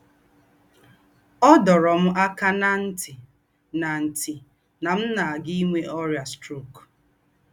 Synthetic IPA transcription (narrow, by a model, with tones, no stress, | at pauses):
ɔ˦dɔ˨ɾɔ˨m̩˦ʔa˦ka˦na˦n̩˦tɪ˨ | na˨n̩˨tɪ˨ | na˨m̩˦na˨ɡi˦me˦ʔɔ˦ɾja˨stɾu˦˨k